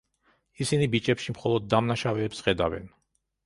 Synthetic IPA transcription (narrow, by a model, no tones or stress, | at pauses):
isinibit͡ʃʼɛpʃimχɔlˠɔd̪ːamnaʃavɛːpsχɛd̪avɛ̰n